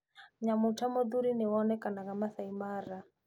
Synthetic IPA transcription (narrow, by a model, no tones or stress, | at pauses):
ɲamutamɔduɾinɛwɔnɛkanaɣamaθaimaɾa